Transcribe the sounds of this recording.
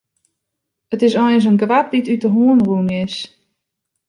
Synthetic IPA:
ətɪsɔjəns̬ənɡʋap̚ditytəɦuənrunɪs

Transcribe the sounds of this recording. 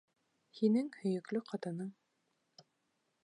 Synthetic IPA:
hinɘŋhɵ̆jɵ̆klɵqʰɑt̪ɤ̆nɤɴ

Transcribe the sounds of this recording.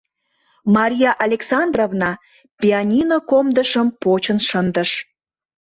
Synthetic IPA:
mɑɾʲijɑʔɑlʲeksɑnd̪rovnɑ | pʲiɑnʲinokomd̪əʃəmpot͡ɕənʃənd̪əʃ

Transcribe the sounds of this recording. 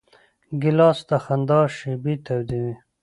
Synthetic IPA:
ɡilɑːst̪axand̪ɑːʃibit̪ʰawd̪ini

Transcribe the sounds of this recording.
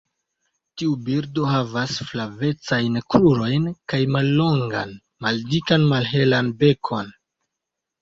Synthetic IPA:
tiubiɾdo̞ɦavasflave̞t͡sajnkɾuɾo̞jnkajmalːo̞ŋɡa̰n | maldikanmalɦe̞lanbe̞kʰo̞n

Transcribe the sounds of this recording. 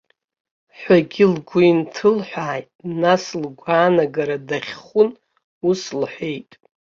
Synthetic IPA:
ħʷaɡʲɪlɡʷʊintʰɨlħʷᶣaːjtʼnaslɡʷaːnaɡaɾadaχʲχʷʊn | uslħʷe̞jtʼ

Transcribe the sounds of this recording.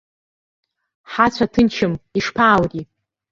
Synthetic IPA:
ħat͡ɕʷʰatʰɨnt͡ʃʰɨmiʂpʰaːwɡʲi

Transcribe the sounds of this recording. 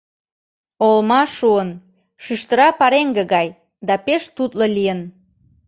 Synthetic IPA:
olmɑʃuən | ʃyʃt̪ə̆ɾɑpɑɾeŋɡĕɣɑj | d̪ɑpeʃt̪ut̪lolʲijən

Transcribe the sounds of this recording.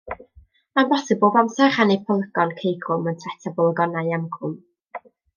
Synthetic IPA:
ambɔsɛboːbamsɛrχanejpʰəlˠəɡɔnkʰejɡrʊməntʰrɛtʰabɔlˠɡɔnajamɡʰʊm

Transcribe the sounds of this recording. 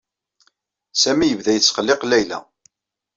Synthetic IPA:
sæmijəvðæjət͡sːχəlːeqlæjlæ̰

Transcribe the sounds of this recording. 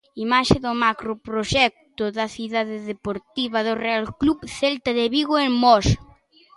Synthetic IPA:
imaʃeðʊmakɾopɾoʃɛk̚t̪ʊðɐθiðaðɪðepoɾt̪iβɐðorealkluβθelt̪ɐðeβiɣoeŋmɔs

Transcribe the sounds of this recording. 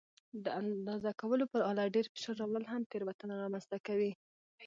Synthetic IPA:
d̪əand̪ɑzakawəlopəɾɑlaɖeɾpe̥ʃaɾɑwləlɦamt̪eɾwat̪ənaɾɑmanz̥t̪akawi

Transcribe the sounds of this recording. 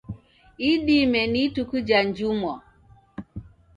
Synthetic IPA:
iɗimɛnitukud͡ʒand͡ʒumɔ

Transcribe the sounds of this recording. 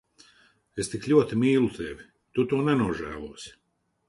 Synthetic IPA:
est̪iklʲuɔt̪imiːlˠut̪ɛvʲi | t̪ut̪uːnɛnuɔʒæ̰ːlˠuɔsʲi̥

